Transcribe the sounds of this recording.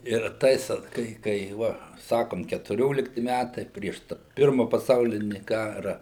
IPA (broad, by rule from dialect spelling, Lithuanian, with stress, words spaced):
ɪr ˈtɐɪs oːt ˈkɐɪ kɐɪ ˈʋɐ ˈsɑːkoːm kʲɛtʊˈrʲoːlʲɪktʲɪ ˈmʲætɐɪ ˈpʲrʲiɛʃ tɐ ˈpʲɪrmɐ pɐˈsɐʊlʲɪnʲɪ ˈkɑːrɐ